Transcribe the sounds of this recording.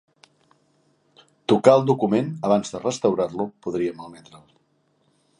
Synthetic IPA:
t̪ukaəlˠd̪ukumenəβ̞anzðərəst̪əwɾarlupuðɾiəməlˠmɛt̪ɾəlˠ

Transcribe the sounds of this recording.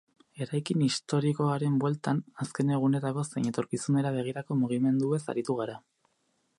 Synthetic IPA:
e̞ɾajkinist̪o̞ɾiko̞aɾe̞mbwe̞lt̪anaske̞ne̞ɣ̞une̞t̪ako̞se̞jɲe̞t̪o̞ɾkisune̞ɾaβ̞e̞ɣ̞iɾako̞muɣ̞ime̞nd̪ue̞sa̰ɾit̪uɣ̞aɾa

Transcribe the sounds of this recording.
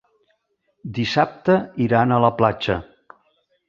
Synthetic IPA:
d̪isap̚t̪əiɾanələplad͡ʒə̰

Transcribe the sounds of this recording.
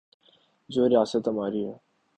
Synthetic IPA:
d͡ʒoːɾijaːsət̪ɦɐmaːɾiɦɛː

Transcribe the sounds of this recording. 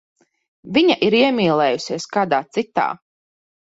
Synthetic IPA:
vʲiɲaʔiɾiɛmiːlˠɛːjusiɛskaːd̪aːt̪sit̪a̰ː

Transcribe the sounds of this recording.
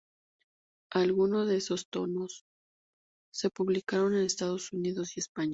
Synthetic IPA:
alɣuno̞zðeeso̞st̪o̞no̞s | e̞puβlikaɾo̞ne̞ne̞st̪aðo̞suniðo̞sie̞spaɲ

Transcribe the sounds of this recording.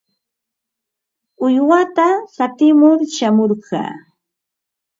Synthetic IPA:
ʊjwat̪asat̪ɪmʊɾʃamoɾɢɑ̰ː

